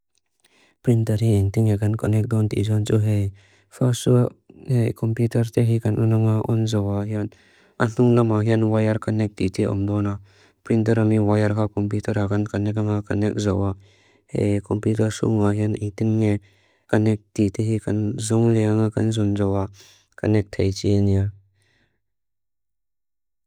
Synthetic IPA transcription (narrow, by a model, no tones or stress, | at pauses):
pɾintɐɾhiɛnt̪iŋekankɔnɛk̚dɔnt̪ḭzɔnt͡ʃuɦej | fʰasuhekɔmputɐɾt̪eɦikanʔunaŋaʔɔnzɔwahian | an̥uŋlamaɦianwajaɾkanɛk̚titiɔ̰md̪ɔna | pɾintɐɾamiwajɐɾkʰakɔmp̬jutɐɾakankanɛk̬aŋakanɛk̚zawa | hḛjkɔmputɐɾsṵŋaɦianejt̪inŋe | kanɛk̚titeɦikɐnzɔŋlɛaŋakɐnzɔnzɔwa | kɐnɛk̚t̪ʰejt͡ʃinia